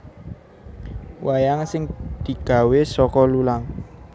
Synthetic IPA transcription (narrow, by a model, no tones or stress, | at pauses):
wʔajaŋsɪŋd̪̥i̤ɡ̥a̤wesɔkɔlulaŋ